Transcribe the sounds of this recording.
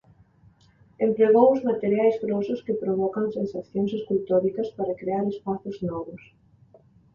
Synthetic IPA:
empɾeɣ̞owʊzmat̪eɾjajzɣɾosʊskɪpɾoβɔkɐŋsẽnsaθjoŋseskult̪oɾikɐspaɾɐkɾeaɾespaθʊznɔβʊs

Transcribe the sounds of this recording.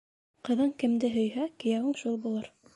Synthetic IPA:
qɤ̆ðɤɴkɘ̆md̪ɘɦɵ̆jɦækɘ̆jæwɤɴʃulˠbulˠɤɾ

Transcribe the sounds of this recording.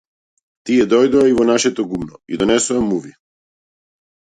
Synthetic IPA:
t̪iɛd̪ɔjd̪ɔaivɔnaʃɛt̪ɔɡumnɔid̪ɔnɛsuamːuvi

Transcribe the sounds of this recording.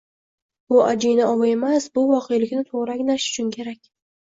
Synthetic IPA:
bʊad͡ʒijnaɒwae̞masbʊvɒqʰejlɪkʲnɪt̪ʰoʁɾaɡʲnaʃʊ̥t͡ʃʰʊnkʲʰe̞ɾakʲ

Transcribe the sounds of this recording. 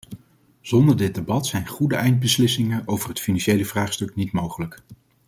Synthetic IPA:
z̥ɔndəɹdɪd̚debɑtsɛjnχudəɛjnt̚bəslɪsɪŋənowvərɦətfinɑnʃejləvraːχstɵknitmowχələk

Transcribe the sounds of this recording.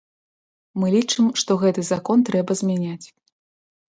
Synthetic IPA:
mɨlʲit͡ʂɨmʂt̪ɔɣɛt̪ɨzakɔnt̪ɾɛbɐzʲmʲanʲat͡sʲ

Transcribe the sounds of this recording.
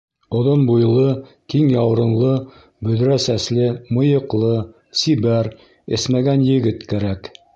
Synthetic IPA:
ŏðonbujlˠɤ | kiŋjɑwɾɤ̆nlˠɤ | bɵ̆ðɾæsæslɘmɤ̆jɤ̆qlˠɤ | sibæɾ | ɘ̰̆smæɡænjɘ̆ɡɘt̪kæɾæk

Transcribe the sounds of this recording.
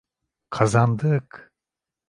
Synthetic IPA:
kʰazand̪ɯk

